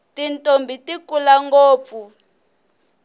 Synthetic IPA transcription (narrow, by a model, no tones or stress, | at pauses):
tintʼombʱitikulaŋɡoːp̪fu